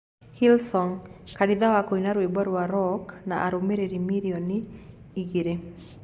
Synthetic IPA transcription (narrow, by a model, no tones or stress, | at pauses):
hilsɔŋkadɪd̪awakoinaɾebɔɾwaɾɔknaʔaɾomeɾeɾimiɾiɔniː | ɡiɾe